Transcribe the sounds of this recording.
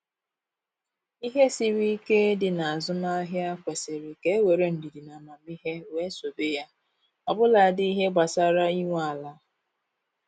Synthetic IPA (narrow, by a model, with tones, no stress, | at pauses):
i˦ɦe˦si˦ɾi˦ke˦dɪ˨na˨a˨zʊ˦na˦ɦja˦kʷe˨se˨ɾɪ˨ke˨˦we˨ɾe˦n̩˨dɪ˨dɪ˨na˨ma˨mi˦ɦe˦we˨˦so˨be˦ja˦ | ɔ˨bʊ˦la˨a˨dɪ˦i˦ɦe˦ɡ͡ba˨sa˦ɾa˦i˦ŋʷ˦a˨la˦